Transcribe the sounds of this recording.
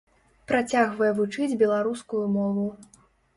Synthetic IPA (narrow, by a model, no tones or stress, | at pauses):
pɾat͡sʲaɣvɐjɛvut͡ʂɨd͡zʲbʲɛlˠaɾuskujumɔvu